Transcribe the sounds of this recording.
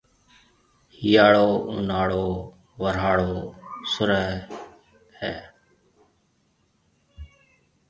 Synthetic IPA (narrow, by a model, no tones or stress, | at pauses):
hijaːɭoːʊnaːɭoː | ʋəɾaːɽoːsʊɾəɦ | hɛː